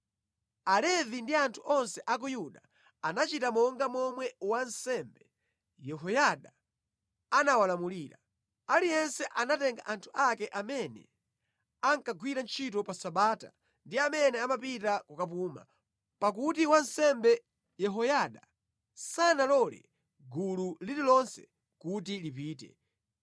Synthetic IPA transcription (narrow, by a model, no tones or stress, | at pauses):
alɛvindiantʰuʔɔnsɛʔak̬ujuɗa | anat͡ʃitamɔŋɡamɔmwɛwansɛmbɛ | jɛɦɔjaɗa | anawalamuliːɾa̰ | alijɛnsɛʔanatɛŋɡa̰ʔantʰu̥akɛʔamɛnɛ̰ | aŋkaɡwiɾant͡ʃʰitɔpasaɓaːta̰ | ndiamɛnɛamapitakukap̬uːma̰ | pakutiwansɛmbɛ | jɛɦɔjaɗa | sanalɔlɛ̰ | ɡululililɔnsɛ̥ | kutilipiːtɛ̰